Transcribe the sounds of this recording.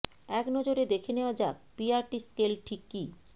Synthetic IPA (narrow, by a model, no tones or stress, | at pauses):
ɛknɔd͡ʑoɾed̪ekʰeneoad͡ʑapiaɾʈiskelʈʰikːi